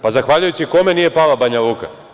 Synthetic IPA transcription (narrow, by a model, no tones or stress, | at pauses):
pazaxʋaːʎujut͡ɕiko̞me̞nije̞palabaɲalˠuːka̰